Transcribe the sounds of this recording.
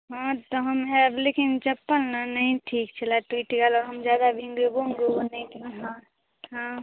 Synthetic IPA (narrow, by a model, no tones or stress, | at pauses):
ɦãːt̪oɦɐmɦɛblekint͡ʃɐpːəlnanɐɦĩʈʰiːkt͡ʃʰɛlaʈwiːʈɡalɔːɾɦəmd͡ʒjaːd̪abʱĩŋɡebõŋɡoɡonɐĩɦã | ɦã